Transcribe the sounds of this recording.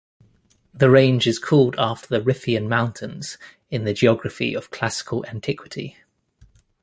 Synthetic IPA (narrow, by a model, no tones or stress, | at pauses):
ðəɹẽɪ̃nd͡ʒɪz̥kʰɔːlˠdɑˑftəðəɹɪfiə̃nmãʊ̃ntʰɪ̃nz̥ | ɪ̃nðəd͡ʒiɒɡɹəfḭəv̥kʰl̥asɪ̥kʰəlʔãntʰɪkʰwɪtʰḭ